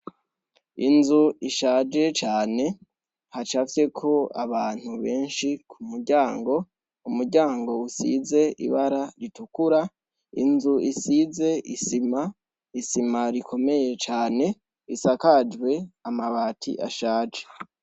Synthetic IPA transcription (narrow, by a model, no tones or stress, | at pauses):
inzuiʃaːd͡ʒe̞t͡ʃaːne̞ | hat͡ʃafje̞kʰo̞aβaːn̥huβe̞ːnʃikʰumuɾɟaːŋɡo̞ | umuɾɟaːŋɡo̞usḭze̞ḭβaɾaɾitukuɾa | ḭnzuisize̞ʔisima | isimaɾikʰo̞me̞je̞t͡ʃaːne̞ | isakad͡ʒwe̞amaβaːtʰḭʔa̰ʃaːd͡ʒe